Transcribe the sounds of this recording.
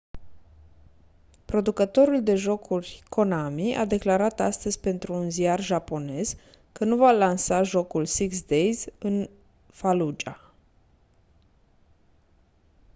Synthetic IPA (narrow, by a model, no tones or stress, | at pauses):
pɾo̞d̪ukət̪o̞ɾuld̪e̞ʒo̞kʰurʲkʰo̞namiʔa̰d̪e̞klaɾat̪ast̪əzʲpe̞nt̪ɾuːnziarʒapo̞ne̞z | kənuvalansaʒo̞kulsiksd̪e̞jzɨn | falud͡ʒa